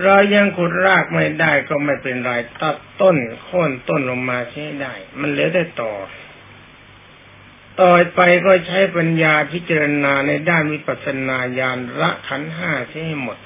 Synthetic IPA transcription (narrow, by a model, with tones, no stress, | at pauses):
ɾa˧wja˧ŋkʰo˨˩t̪̚ɾaː˥˩k̚ma˥˩jdaː˥˩jkɔː˥˩ma˥˩jpe˧nɾaː˧jt̪a˧˩tt̪ːo˥˩nkʰoː˥˩nt̪o˥˩nlo˧ŋmaː˧t͡ɕʰa˥˩ha˥˩jdaː˥˩jma˧˥nlɯ˧˦wda˥˩jt̪ɔː˨˩ | t̪ɔː˨˩jpa˧jkɔː˥˩t͡ɕʰa˦˥jpa˧njaː˧pʰi˦˥t͡ɕa˧ɾa˧naː˧na˧jdaː˥˩nwi˦˥pa˨˩t̪̚sa˧naː˧jaː˧nɾa˦˥ʔkʰa˦˥nɦaː˥˩t͡ɕʰa˥˩ha˥˩jmo˨˩t̪̚